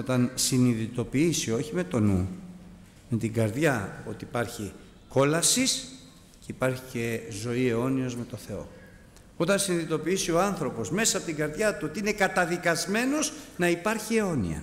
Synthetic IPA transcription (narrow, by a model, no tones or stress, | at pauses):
o̞t̪ɐnsiniðit̪o̞piisio̞çime̞t̪o̞nu | me̞t̪iɡɐɾðʝɐo̞t̪iːpɐɾçi | ko̞lɐsis | ceipɐɾçice̞zo̞ieo̞nio̞zme̞t̪o̞θe̞o̞̰ | o̞t̪ɐnsiniðit̪o̞piisio̞ɐnθɾo̞po̞zme̞sɐɐpot̪iŋɡɐɾðʝɐt̪uo̞t̪iine̞kɐt̪ɐðikɐzme̞no̞znɐipɐɾçie̞o̞nḭɐ̰